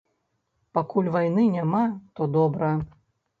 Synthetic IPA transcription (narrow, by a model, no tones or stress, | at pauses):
pakulʲvajnɨnʲamat̪ɔd̪ɔbɾɐjɐ